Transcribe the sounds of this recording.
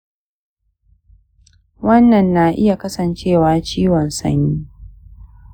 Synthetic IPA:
wɐ˦nːɐ˨nːa˨ʔɪ˦ja˨kɐ˦sɐ˨nt͡ʃeː˦˨waː˦t͡ʃiː˦wɔ˨nsɐ̰˦ɲːiː˦

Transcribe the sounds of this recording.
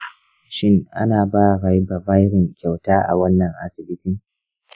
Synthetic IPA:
ʃɪ˦ŋʔa̰˦naː˨baː˦ɾa˨jbɐ˨ba˦jɾɪ˨ŋkʲa˨wtaː˦ʔa̰˨wɐ˦nːɐ˨ŋʔa˨sɪ˨bɪ˦tɪ˦˨ŋ

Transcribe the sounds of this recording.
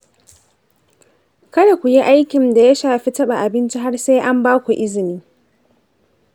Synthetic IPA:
kɐ˦da˨kʷu˨ji˦ʔa˦jkʲɪ˨nda˨ja˦ʃaː˨ɸi˦tɐ˦ɓa˨ʔa˨bɪ˦nt͡ʃi˦ɦa˦rseː˦jʔa˦mbaː˦kʷu˨ʔɪ˦zɪ˨niː˦

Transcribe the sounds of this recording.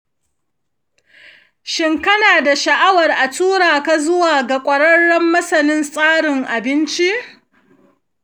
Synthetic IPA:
ʃɪ˦ŋkɐ˦naː˨da˨ʃɐ˨ʔa˦wɐ˨rʔa˨tuː˦ɾaː˨ka˦zʊ˦waː˨ɡa˨kʷʼɐ˨ɽɐ˦ɽːɔ˦mːɐ˦sɐ˨nɪ˦nsʼaː˦ɽɪ˨ŋʔa˨bɪ˦nt͡ʃi˦ʔ

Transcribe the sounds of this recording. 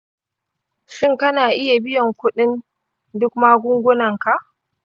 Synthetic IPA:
ʃɪ˦ŋkɐ˦naː˨ʔɪ˦ja˨bɪ˦jɔ˨ŋkʷʊ˦ɗɪ˦n | dʊ˦kmaː˦ɡʷʊ˦ŋɡʷʊ˦nɐ˨ŋka˨ʔ

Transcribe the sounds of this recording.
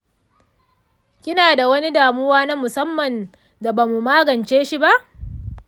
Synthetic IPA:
kʲɪ˦naː˨da˨wɐ˦ni˦daː˨mʊ˦waː˦na˦mʊ˨sɐ˦mːɐ˨n | da˨baː˨mu˨maː˦ɡɐ˨nt͡ʃeː˦ʃi˦ba˦ʔ

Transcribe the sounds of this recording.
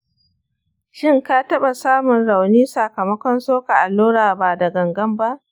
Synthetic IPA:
ʃɪ˦˨ŋka˦tɐ˦ɓa˨saː˦mʊ˨nɽa˨wniː˦sa˨kɐ˨mɐ˦kʷɔ˦nsoː˦ka˨ʔa˨lːoː˦ɽaː˨baː˨dɐ˨ɡɐ˨ŋɡɐ˦mba˦ʔ

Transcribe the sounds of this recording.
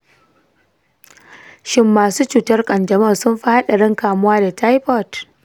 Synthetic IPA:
ʃɪ˦mːaː˨suː˦t͡ʃuː˨tɐ˦rkʼɐ˨ndɐ˨mɐ˦˨sʊ˦mɸa˦ha˦ɗa˨ɽɪ˦ŋkaː˨mʊ˦waː˦da˨ta˦jɸɔ˦˨t

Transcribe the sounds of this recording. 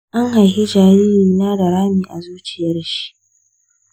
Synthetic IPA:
ʔa˦ŋha˨jhi˦d͡ʒaː˨ɾiː˦ɾiː˨naː˦da˨ɾaː˦miː˨ʔa˨zuː˦t͡ʃɪ˨jɐ˦rʃi̥˦ʔ

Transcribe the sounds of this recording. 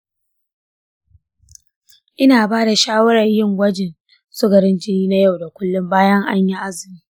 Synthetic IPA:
ʔɪ˦naː˨baː˦da˨ʃaː˦wɐ˦ɽɐ˨jɪ˦˨ŋɡʷɐ˦d͡ʒɪ˨n | sʊ˦ɡɐ˨ɾɪ˦nd͡ʒɪ˦niː˦na˦ja˦˨wda˨kʷʊ˦lːʊ˦mbaː˦jɐ˦ŋʔa˦ɲji˦ʔa˦zɪ˨miː˦

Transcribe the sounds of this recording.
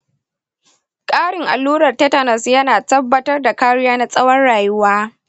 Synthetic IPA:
kʼaː˦ɽɪ˨ŋʔa˨lːuː˦ɾɐ˨rtɐ˦tɐ˨nɐ˨sjɐ˦naː˨tɐ˦bːɐ˦tɐ˦rda˨kaː˦ɽʊ˦jaː˦na˦sʼɐ˦wɐ˦nɽaː˨jʊ˦waː˦

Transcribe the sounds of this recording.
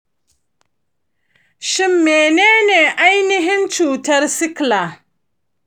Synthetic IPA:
ʃɪ˦mːeː˨neː˦neː˨ʔa˦jnɪ˦ɦɪ˦nt͡ʃuː˨tɐ˦rsɪ˦kla˨

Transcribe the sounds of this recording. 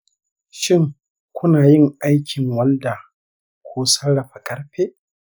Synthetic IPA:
ʃɪ˦ŋ | kʷʊ˦naː˨jɪ˦ŋʔa˦jkʲʰɪ˨ŋwɐ˦lda˨ | kʷʰoː˦sɐ˦ɽɐ˨ɸa˨kʼɐ˦ɽɸeː˦ʔ

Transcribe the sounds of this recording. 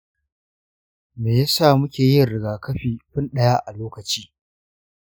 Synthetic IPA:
meː˨ja˦saː˦˨mʊ˦kʲeː˨jɪ˦nɾɪ˨ɡaː˨kɐ˦ɸiː˨ɸɪ˦nɗɐ˦jaː˦ʔa˨loː˦kɐ˨t͡ʃiː˦

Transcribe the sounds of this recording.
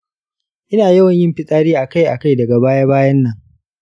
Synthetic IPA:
ʔɪ˦naː˨jɐ˦wɐ˨ɲjɪ˦mɸɪ˦sʼaː˦ɾiː˦ʔa˨ka˦˨jʔa˨ka˦jdɐ˨ɡa˨baː˦ja˦baː˦jɐ˦nːɐ˨ŋ

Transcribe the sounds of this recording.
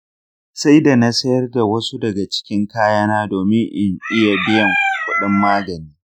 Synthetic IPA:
sa˦jda˨na˦sɐ˦jɐ˦rda˨wɐ˦su˦dɐ˨ɡa˨t͡ʃɪ̥˦kʲɪ˦ŋkaː˦jaː˦naː˦doː˨mɪ˦ŋʔɪ˨ɲʔɪ˦ja˨bɪ˦jɐ˨ŋkʷʊ˨kʷʊ˦ɗɪ˦mːaː˦ɡɐ˨niː˦

